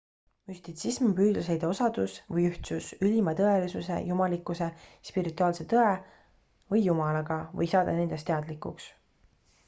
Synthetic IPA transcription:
mysʲt̪it̪sismpyːd̪̥lɑs̬e̞jd̪o̞sɑd̪̥usvɤjyht̪susylʲimɑt̪ɤe̞lisuse̞̰jumɑlikːˑuse̞spiɾit̪ːˑuɑːlse̞t̪ɤe̞ | vɤjːumɑlɑɡ̥ɑvɤ̰jsɑːd̪ɑne̞nd̪̥e̞st̪eɑd̪̥likːˑuks

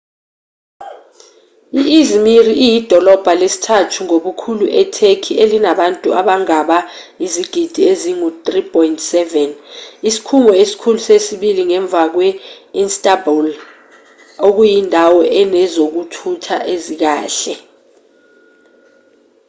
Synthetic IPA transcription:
iʔizmiriʔijid̥ʱɔlɔb̥ʱalesi̥tʰatʰuŋoɓukʰuluʔɛtʰekʰielinaɓantʼuaɓaŋaɓaiziɡ̥ʱid̥ʱieziŋutripʰʼɔjntʰʼsɛvɛnisi̥kʰuŋɔesi̥kʰulusesiɓiliŋɛɱb̪vʱak̬wɛinstʼabul | ok̬ujindʱawɔʔɛnɛzok̬utʰutʰa̰ʔezik̬aːɬɛ

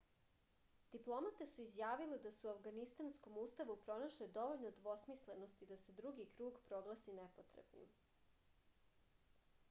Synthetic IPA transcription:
d̪̥iplˠo̞mat̪e̞suizjaːʋiled̪asuafɡanist̪ansko̞muːst̪aʋupɾo̞naʃled̪o̞ʋoʎnod̪ʋo̞smislenost̪id̪ase̞d̪ɾuɡikɾuːɡpɾo̞ɡlˠasinepot̪ɾḛbnḭm

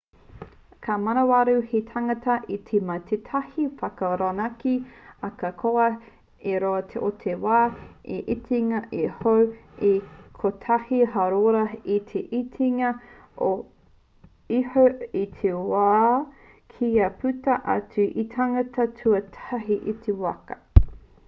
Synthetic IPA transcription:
kʰamɐnɐwaɾuhetʰɐŋɐtɐʔit̪ʰemɐt̪ʰetʰɐhifɐkɐɾanɐkiɐkɐkʰoɐ | eɾoɐt̪ʰeʔotʰewaːeʔitʰiŋɐʔehowekʰot̪ʰɐhiɦɐɾoɾɐit̪ʰeʔitʰiŋɐ | o | ihoit̪ʰewaː | kʰiɐpʰʉtɐʔa̰tʉʔitʰaŋɐtʰɐtʰʉɐtʰɐɦiʔit̪ʰewɐkɐ

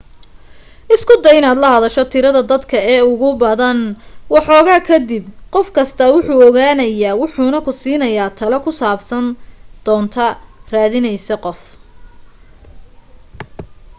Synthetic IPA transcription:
ʔɪskʰʊd̪ɐjɪnaːd̪lɐɦɐðɐʃɔt̪ʰɪɾɐðɐd̪ɐd̪kʰɐɛːʊɣʊbɐðɐnwɑħɔːɣaːkʰɐd̪ɪbqɔfkʰɐst̪ʰɐwʊħuːɔɣaːnɐjaːwʊħuːnɐkʰʊsiːnɐjaːt̪ʰɐlɐkʰʊsaːbsɐnd̪̥ɔːnt̪ʰɐraːðɪnɛjsɐqɔf

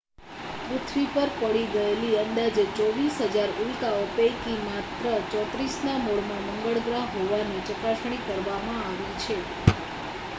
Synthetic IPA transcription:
pɾut̪ʰʋipəɾpəɭiɡəeliənd̪ad͡ʒet͡ʃɔʋisɦəd͡ʒaɾulkaopejkimat̪ɾət͡ʃɔt̪ɾisnamoɭmãməŋɡəɭɡɾaɦɦoʋanet͡ʃəkaʃɽ̃ikəɾʋamãaʋit͡ʃʰe

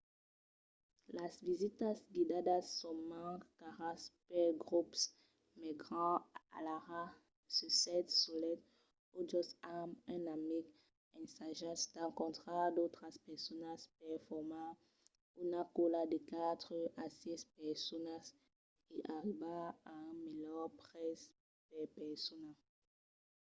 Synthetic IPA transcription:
lasvizit̪asɡid̪ad̪asːɔ̃mãkkaʁãspɛɡʁups | mɛɡʁɑ̃a̰laʁa | səsɛt̪sɔlɛt̪ | od͡ʒɔsamɛ̃namiɡ | ɛ̃saʒɛsd̪ãkɔ̃t̪χad̪ot̪χaspɛʁsɔnaspɛʁfɔʁmã | unakolad̪ekat̪χəasɛspɛʁsɔnas | kiʔaʁibaaɛ̃mejœʁpʁɛs | pɛpɛʁsɔna

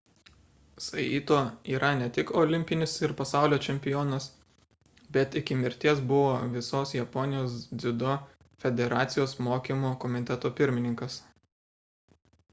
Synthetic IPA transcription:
sɐiːt̪oːiːɾʔɐnʲɛt̪ʲɪkɔlʲɪmʲpʲɪnʲɪsɪɾpɐsɑˑʊlʲoːt͡ʃʲɛmʲpʲɪjɔːnɐs | bʲɛt̪ɪkʲɪmʲɪɾʲt̪ʲiɛsbʊʋoːʋʲɪsoːsjɛpɔnʲɪjoːsd̪zʲɪd̪o | fʲɛd̪ʲɛɾɑːt̪sʲɪjoːsmoːkʲimoːkɔmʲɪt̪ʲɛt̪oːpʲɪɾʲmʲɪnʲɪŋkɐs

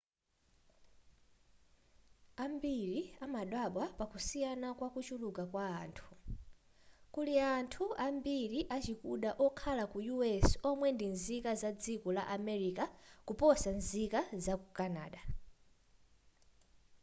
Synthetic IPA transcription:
ambiɾiamaɗwaɓwapakusijanakwakut͡ʃulukakwaːntʰu̥ | kuliantʰuambiɾiʔat͡ʃikuɗaʔɔkʰalakujuɛsɔmwɛndinzikazad͡zikɔla̰ʔamɛɾikakupɔsanzikazakukana̰ːɗa

